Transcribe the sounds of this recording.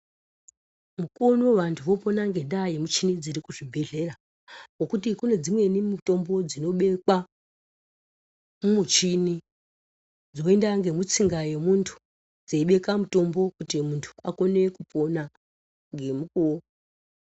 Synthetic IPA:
muko̞noʋantʰuʋo̞po̞naŋɡe̞ɗajemut͡ʃinid͡ziɾikuʐibʱe̞ɮe̞ra | wo̞kutikune̞d͡zimwe̞nimuto̞mbo̞d͡zino̞ɓe̞kwa | mumut͡ʃini | d͡zo̞e̞ndaŋɡe̞mut͡siŋɡaje̞muntʰu̥ | d͡zeiɓe̞kamuto̞mbo̞kutimuntʰu̥ako̞ne̞kupo̞na | ŋɡe̞mukoo

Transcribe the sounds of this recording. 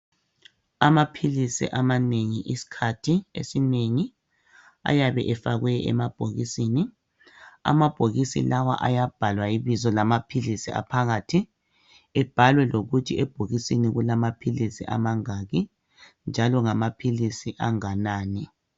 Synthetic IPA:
amapʰilisḭʔamaneŋiʔisi̥kʰatʰiḛsineŋi | a̰jaβɛʔɛfaɣwɛɛ̰mab̥ʱoɣisiːni | a̰mab̥ʱoɣisḭlawa̰ʔajab̥ʱalwaiβizɔlamapʰilisia̰pʰaɣatʰi | ɛb̥ʱalwɛloɣutʰiɛb̥ʱoɣisiniɣulamapʰilisḭʔa̰maŋaɣi | nd͡ʒʱalɔŋamapʰilisiʔaŋanaːnɛ

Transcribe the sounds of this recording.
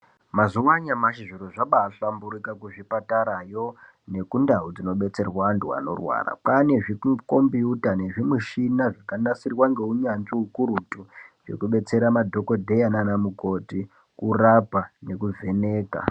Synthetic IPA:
mazuwaɲamaʃiʐiɾoʐaɓaːɬambuɾikakuʐipataɾajo̞ | ne̞kundaɦud͡zino̞ɓe̞t͡se̞rwanduwa̰no̞̰rwa̰ːra̰pane̞ʐikko̞mbiutane̞ʐimuʃinaʐakanasirwaŋɡe̞uɲanʐiukuɾutuʐ̥e̞̰kuɓe̞t͡se̞ɾamadʱo̞kodʱe̞jananamuko̞ti | kurapane̞kuve̞ne̞ːka̰

